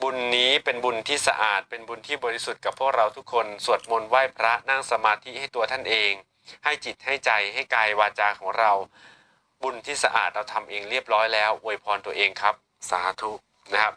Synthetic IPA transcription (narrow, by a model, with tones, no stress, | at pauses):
bu˧nːiː˦˥pe˧nbu˧nt̪ʰiː˥˩sa̰˧ʔaː˨˩t̪̚pe˧nbu˧nt̪ʰiː˥˩bɔː˧ɾi˦˥su˨˩t̪̚ka˨˩pʰːu˥˩ək̚ɾa˧wt̪ʰu˦˥kʰːo˧nsu˨˩ət̪̚mo˧nwaː˥˩jpʰɾa˦˥na˥˩ŋsa˧maː˧t̪ʰi˦˥ha˥˩jt̪u˧ɐt̪ʰa˥˩nʔeː˧ŋ | ha˥˩jt͡ɕi˨˩t̪̚ha˥˩jt͡ɕa˧jɦa˥˩jkaː˧jwaː˧t͡ɕaː˧kʰɔː˩˦ŋɾa˧w | bu˧nt̪ʰiː˥˩sa˧ʔa̰ː˨˩t̪̚ɾa˧wt̪ʰa˧mʔeː˧ŋɾi˥˩əp̚ɾɔː˦˥jlɛː˦˥wʔu˧jpʰɔː˧nt̪u˧ɐʔeː˧ŋkʰa˦˥p̚ | saː˨˩˦t̪ʰu˦˥ | na˦˥kʰa˦˥p̚